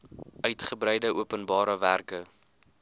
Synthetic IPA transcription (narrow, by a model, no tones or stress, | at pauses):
ʔœɥtχəbɾɛjdəʔuəpənbɑːɾəværkə